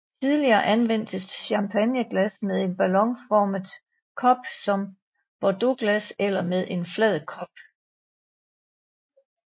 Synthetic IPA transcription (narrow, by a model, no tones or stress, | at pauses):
t͡sʰið̞ˠliɐːʔænʋen̰d̥əsɕɑ̈mpʰænjəɡ̥læsmeðˠe̝nb̥ælɒ̽ŋfɒːməð̩ˠ | kʰɒ̽b̥sɒ̽m | b̥ɒd̥o̝ɡ̥læselɐmeð̞ˠʔe̝nflɛð̞ˠkʰɒ̽b̥